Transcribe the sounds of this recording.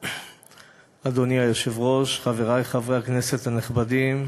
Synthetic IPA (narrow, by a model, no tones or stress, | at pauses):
ad̪oniajoʃevʁo̞ʃχave̞ʁajχavʁeakne̞se̞t̪haneχbadim